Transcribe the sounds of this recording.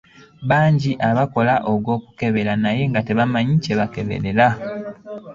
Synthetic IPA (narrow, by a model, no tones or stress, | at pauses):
βaːɲɟiʔaβako̞laʔoɡo̞ːku̥ke̞βe̞ɾanaje̞ŋɡate̞βamaɲice̞βakeβe̞̰ɾe̞la